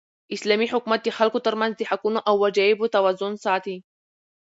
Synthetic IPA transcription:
ʔɪslæːmiħʊkmat̪ixalkut̪ɑɾˤmanzd̪iħakunʔawːad͡ʒæːjɪbut̪awazːʊnsˤaʕt̪i

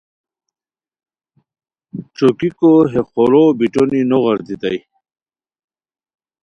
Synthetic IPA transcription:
t͡ɕokikoɦeχoɾobiʈoninoʁɐɾt̪it̪aj

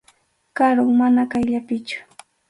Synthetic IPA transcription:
kaɾʊŋmanakajʎapɪt͡ʃʊ̥

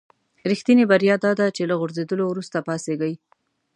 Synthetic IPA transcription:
ɾixt̪inebaɾjɑd̪ɑd̪at͡ʃelaɣʊɾzed̪əlowɾust̪apɑseɡaji

